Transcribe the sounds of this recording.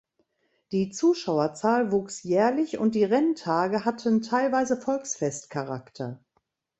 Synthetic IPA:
d̥iːt͡suːʃaʊɐt͡saːlvuːksjɛːɐlɪçʊ̰nt̚d̥iːʁɛntʰaːɡəɦatʰəntʰaɪlvaɪzəfɔlksfɛstkʰaʁa̰ktʰɐ

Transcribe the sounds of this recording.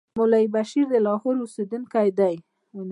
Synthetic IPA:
mʊlaibaʃiɾd̪əlɑhoɾused̪unkajd̪aj

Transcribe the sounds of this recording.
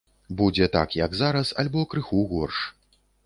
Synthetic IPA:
bud͡zʲɛt̪a̰kjɐɡzaɾɐsɐ̰lʲbɔkɾɨxuɣɔrʂ

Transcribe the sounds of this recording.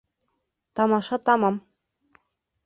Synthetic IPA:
t̪ɑmɑʃɑt̪ɑmɑm

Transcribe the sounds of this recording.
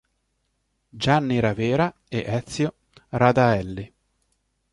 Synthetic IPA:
d͡ʒanːiɾaveːɾa | eʔɛt̪sjo | rad̪aɛlːi

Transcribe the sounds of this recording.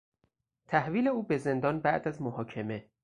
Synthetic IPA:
t̪ʰæhviːle̞uːbeze̞nd̪ɒːnbæʔd̪æzmohɒːcʰeme̞

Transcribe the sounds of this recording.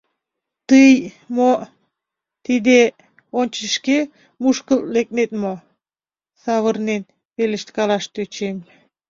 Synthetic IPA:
t̪ɯj | mo | t̪id̪e | onʲt͡ʃəʃke | muʃkəllek̚net̪mo | sɑβəɾnen | βelə̆ʃt̪kɑlɑʃt̪øt͡ʃem

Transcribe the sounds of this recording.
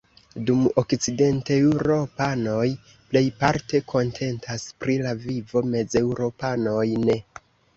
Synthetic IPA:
dumo̞kt͡side̞ntewuɾo̞pano̞j | ple̞jpaɾte̞kʰo̞ntʰe̞ntʰaspɾilavivo̞me̞ze̞wuɾo̞pano̞jne̞

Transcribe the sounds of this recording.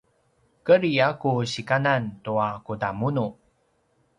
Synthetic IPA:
kəɾiakuɕikanantuakudamunu

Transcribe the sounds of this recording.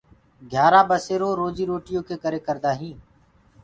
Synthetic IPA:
ɡʱjaːɾaːbəseːɾoːɾoːd͡ʒiːɾoːʈɪjõːkʰeːkəɾeːkəɾd̪aːɦĩː

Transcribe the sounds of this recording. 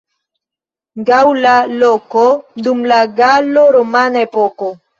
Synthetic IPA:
ɡawlalokod̪umlaɡaloɾomanepoko

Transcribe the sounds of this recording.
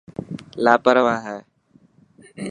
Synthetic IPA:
laːpəɾʋãːɦɛː

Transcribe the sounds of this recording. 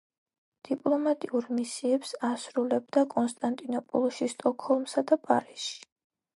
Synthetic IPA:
d̪̥ipʼlˠɔmat̪ʼiuɾmisiɛpsasɾulɛbd̪akʼɔnst̪ʼant̪ʼinɔpʼɔ̰lˠɔʃist̪ʼɔkʰhɔlˠmsad̪apʼaɾisʃi̥

